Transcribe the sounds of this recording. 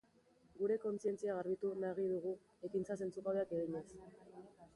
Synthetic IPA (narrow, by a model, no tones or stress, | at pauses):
ɡuɾe̞ko̞nt͡sie̞nt͡siaɣ̞aɾβit̪unaɣ̞iðuɣ̞u | ekint͡sase̞nt͡sukaβe̞ake̞ɣiɲe̞s